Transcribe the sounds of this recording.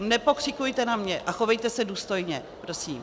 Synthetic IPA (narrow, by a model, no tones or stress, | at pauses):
nɛpo̞kr̝̥ɪkujt̪ɛnamɲɛʔaxovɛjt̪ɛsɛduːst̪o̞jɲɛ | pɾo̞siːm